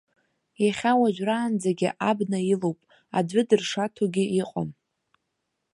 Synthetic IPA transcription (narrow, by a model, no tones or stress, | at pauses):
jaχʲawaʒʷᶣraːnd͡zaɡʲɪʔabnailowpʼ | a̰dʷɨdɨrʂatʰoɡʲɪiqʼo̰m